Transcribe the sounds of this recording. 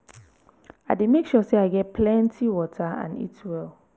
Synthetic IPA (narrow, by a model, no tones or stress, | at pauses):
aɪdemekʃɔseaɪɡɛt̚pʰlɛ̃ntʰiwɔtʰaã̰nḭtwɛlˠ